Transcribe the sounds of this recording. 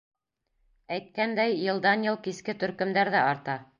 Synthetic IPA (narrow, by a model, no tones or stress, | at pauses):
æjt̪̚kænd̪æjːɤ̆lˠd̪ɑnjɤlˠkiskɘt̪ɵ̆ɾkɵ̆md̪æɾðæɑɾt̪ɑ